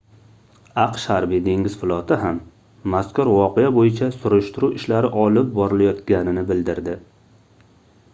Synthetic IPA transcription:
ɑqʃhaɾbid̪eŋɪz̥fɪlˠɒt̪ʰɪɦamː | askʊɾvɒqejabojɪt͡ʃʰasʊɾʊʃt̪ʊɾuɪʃlaɾɪʔɒlɪp̚bɒɾɪlajɒt̪ɡʲanɪnɪbɪld̪ɪɾd̪ɪ

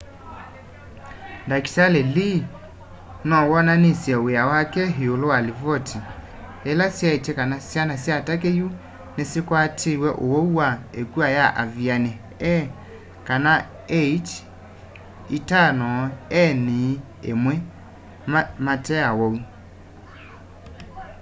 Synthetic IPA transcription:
ndaki̥salɛli | nɔwɔnanisjɛweawakɛɦiolowalivɔtʰi | ɛlasjaitɛkanasjanasjatakeju | nesikwatʰiwɛʔowɔuwaekuajaʔavjanɛ | ɛ | kana | et͡ʃ | itanɔɛni | ḛmwɛ | matɛawɔu

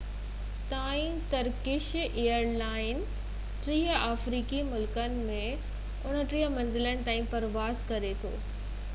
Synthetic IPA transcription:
t̪aːĩ | t̪ɐɾkɪʃeːjəɾlaːɪn | ʈɾiːɦaːfɾiːkimʊlkənɪ̆mẽ | ʊn̤ə̆ʈɾiːɦəmɐ̃nzɪlənɪ̆t̪aːĩpɐɾʋaːzkɐɾet̪ʰo̰ː

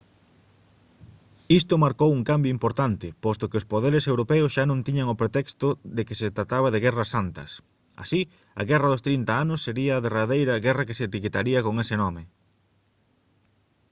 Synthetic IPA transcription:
ist̪ʊmaɾkowuŋkambjoimpoɾt̪ant̪ɪpɔst̪ʊkɪospoðeɾesewɾopɛʊsʃanõnt̪iɲɐŋopɾet̪ɛkst̪ʊðekeset̪ɾat̪aβɐðeɣɛrɐsːant̪ɐ̰s | a̰si | ɐ̰ɣɛrɐðʊst̪ɾint̪ɐanʊsːeɾiɐːðeraðejɾɐɣɛrɐkeseːt̪iket̪aɾiɐkoŋesenɔmɪ

